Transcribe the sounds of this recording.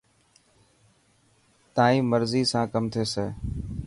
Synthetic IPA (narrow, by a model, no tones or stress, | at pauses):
t̪ãːĩːməɾziːsãːkəmt̪ʰeːseː